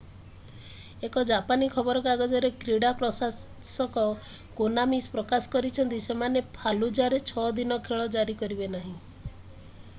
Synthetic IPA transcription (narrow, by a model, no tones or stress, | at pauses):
ekɔd͡ʒapanikʰɔbɔɾɔkaɡɔd͡ʒɔɾekɾiɽapɾɔsa | sɔkɔ | konamispɾɔkasɔ̥kɔɾit͡ʃʰɔnt̪isemanepʰalud͡ʒaɾet͡ʃʰɔd̪inɔkʰeɭɔd͡ʒaɾikɔɾibenaɦĩ